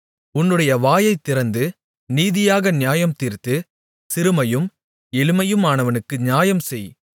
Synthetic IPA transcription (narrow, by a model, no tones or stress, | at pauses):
ʊnːɯɽɐjɐʋaːjɐɪt̪ːɪɾɐnd̪ɯ | niːðɪjaːɣɐnɪjaːjɐmt̪iːɾt̪ɯ | sɪɾɯmɐjɯm | ɛlɯmɐjɯmaːnɐʋɐnɯkːɯnjaːjɐmsɛj